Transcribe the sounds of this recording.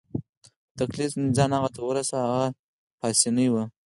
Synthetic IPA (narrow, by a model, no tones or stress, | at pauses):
t̪aklifnd͡zɑnhaɣat̪awəɾasaaɣa | pɑsinəjwa